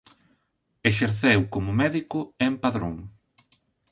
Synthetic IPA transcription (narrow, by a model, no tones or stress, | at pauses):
eʃeɾθewkomʊmɛðikʊempaðɾo̰ŋ